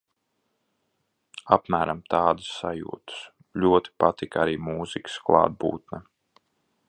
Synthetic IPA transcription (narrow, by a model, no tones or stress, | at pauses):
apmæːɾamt̪ɑːd̪ɨ̥sːajṵːt̪ɨ̥s | ʎʲuɔt̪i̥pat̪ikaɾiːmuːzikə̥sklˠɑ̰ːd̪̚bṵːt̪̚nɛ